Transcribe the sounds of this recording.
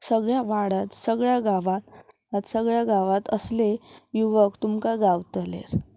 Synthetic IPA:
səɡɭjaʋaɽat̪səɡɭjaɡaʋat̪ | aɾsəɡɭjaɡaʋat̪əslejuʋəkt̪umkaɡawt̪lḛɾ

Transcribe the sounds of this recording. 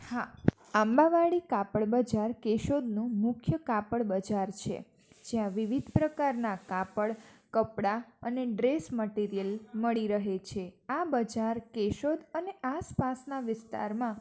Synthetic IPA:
ha | ambaʋaɭikapəɭbəd͡ʒaɾkeʃod̪nũmʊkʰjəkapəɭbəd͡ʒaɾt͡ʃʰḛ | d͡ʒeãʋiʋid̪ʱpɾəkaɾnakapəɭkəpɽaəneɖɾesməʈiɾijəlməɭiɾəɦet͡ʃʰeabəd͡ʒaɾkeʃod̪əneʔaspasnaʋɪst̪a̰ɾmã

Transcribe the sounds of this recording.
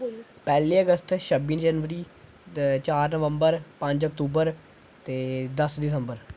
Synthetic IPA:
pɛːliːəɡəst̪ʃəbiːnd͡ʒənʋəɾiː | t͡ʃaːɾnəʋə̃mbəɾpə̃ɲd͡ʒəkt̪uːbəɾ | t̪eːd̪əsd̪ɪsəmbəɾ

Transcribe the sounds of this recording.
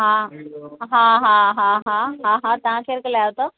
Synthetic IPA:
ɦã | ɦãɦãɦãɦãɦãɦãt̪ãɦãkʰeəɾkəlajaʋt̪ə

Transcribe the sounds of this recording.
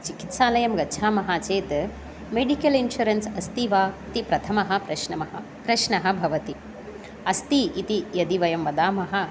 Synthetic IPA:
t͡ʃiki̥t̪ʃaːlɐjɐmɡɐtːʃʰaːmɐɦaːt͡ʃeːt̪ | meɖikɐlinʃuɾɐnsɐst̪iʋaːt̪ipɾɐt̪ʰɐmɐɦɐ̆pɾɐʃɳɐmɐɦɐ | pɾɐʃɳɐɦɐ̆bʱɐʋɐt̪i | ɐst̪iit̪ijɐd̪iʋɐjɐmʋɐd̪aːmɐɦɐ̆

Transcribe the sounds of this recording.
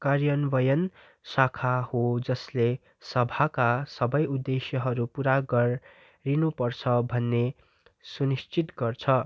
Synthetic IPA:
karjʌnbʌjʌn | sakʰahod͡zʌsle | sʌbʱakasʌbʌjud̪ːesjʌɦʌɾupuɾaɡʌr | rinupʌrt͡sʰʌbʱʌnːe | sunist͡sit̪ɡʌrt͡sʰʌ

